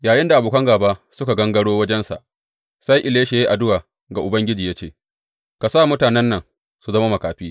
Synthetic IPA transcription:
jaː˨jɪ˦nda˨a˨boː˨kɐ˦ŋɡaː˨baː˦sʊ˦ka˨ɡɐ˦ŋɡɐ˦ɽoː˦wɐ˦d͡ʒɛ˦nsa̰˨ʔ | sa˦jʔɪ˨leː˦ʃe˨je˦ʔa˨dʊ˦waː˨ | ɡa˨ʔʊ˨bɐ˦ŋɡʲɪ˦d͡ʒiː˨ja˦t͡ʃḛː˦˨ | ka˨saː˦˨mʊ˦taː˨nɛ˦nːɐ˨ŋ | su˨zɐ˦ma˦mɐ˨kaː˨ɸiː˦

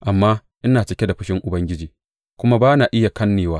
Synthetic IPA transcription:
ʔa˨mːaː˦ʔɪ˦naː˨t͡ʃɪ˦kʲe˦da˨ɸɪ˦ʃɪ˦ŋʔʊ˨bɐ˦ŋɡʲɪ˦d͡ʒiː˨ | kʷʊ˦ma˦baː˦na˨ʔɪ˦ja˨kɐ˦nːeː˨waː˦

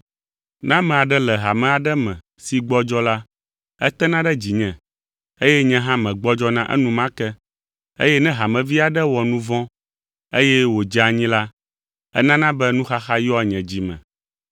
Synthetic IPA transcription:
nã˦mɛ̃˨a˨ɖɛ˦lɛ˨ɦa˨mɛ̃˨a˨ɖɛ˦mɛ̃˨ | si˨ɡ͡bɔ˦d͡ʒɔ˦la˦ | ɛ˦t̪ɛ˦nã˦ɖɛ˦d͡ʑi˨ɲɛ̃˨ | e˦jɛ˦ɲɛ̃˦ɦã˦mɛ̃˨ɡ͡bɔ˦d͡ʒɔ˦nã˦ʔɛ̰˦nũ˦mã˦kɛ˦ | ḛ˦jɛ˦nɛ̃˦ɦa˨mɛ̃˨vi˦a˨ɖɛ˦wɔ˨nũ˦vɔ̃˦ | e˦jɛ˦wo˨d͡ʒa˨ɲĩ˦la˦ | ɛ̰˦nã˦nã˦bɛ˦nũ˦xa˦xa˦jɔ˦˨ɲɛ̃˨d͡ʑi˨mɛ̰̃˨

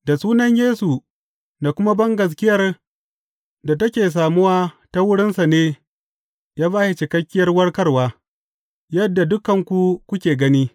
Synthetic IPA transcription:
da˨suː˦nɐ˦ɲjeː˦su˨ | na˨kʷʊ˦ma˦bɐ˦ŋɡɐ˨s̬kʲɪ˦jɐ˨r | da˨tɐ˦kʲeː˨s̬aː˨mʊ˦waː˦ | ta˦wʊ˦ɽɪ˦nsa˨neː˦ | jaː˦baː˦ʃi˨t͡ʃɪ˨kɐ˦kʲːɪ˦jɐ˦rwɐ˦rkɐ˦rwaː˦ | jɐ˦dːa˨dʊ˦kɐ˨ŋkʷu˨kʷʊ˦kʲeː˨ɡɐ˦niː˦

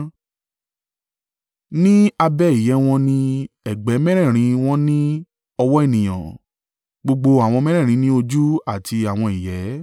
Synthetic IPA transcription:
nĩ˦a˧bɛ˦˨i˨jɛ˨˦w̃ɔ̃˧nĩ˧ | ɛ˨ɡ͡bɛ˨˦mɛ̃˦ɾ̃ɛ̃˦˨ɾ̃ĩ˧w̃ɔ̃˦nĩ˦ | ɔ˧wɔ˦e˦˨nĩ˨j̃ã̰˨ | ɡ͡bo˧ɡ͡bo˧a˨w̃ɔ̃˧mɛ̃˦ɾɛ̃˦˨ɾ̃ĩ˨˦nĩ˦o˧d͡ʒu˦a˦˨ti˧a˨w̃ɔ̃˧i˨jɛ˨˦

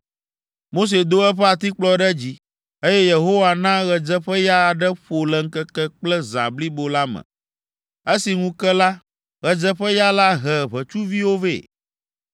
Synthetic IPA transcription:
mo˦s̬e˨d̪o˦ɛ˦ɸɛ˦a˨t̪i˦k͡plɔ˦ɖɛ˦d͡ʑi˦ | e˦jɛ˦je˨ɦo˦wa˨nã˦ɣɛ˨d͡zɛ˦ɸɛ˦ja˦˨ɖɛ˦ɸo˨lɛ˨ŋ̩˦kɛ˦kɛ˦k͡plɛ˦zã̰˨bli˦bo˨la˦mɛ̰̃˨ | e˦si˨ŋũ˦kɛ˦la˦ | ɣɛ˨d͡ʒɛ˦ɸɛ˦ja˦la˦ɦɛ˨βɛ˨t͡ʃu˦vi˦wo˦vḛ˦˨

